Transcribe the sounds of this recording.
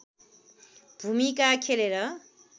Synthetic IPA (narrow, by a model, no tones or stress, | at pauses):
bʱumikakʰeleɾʌ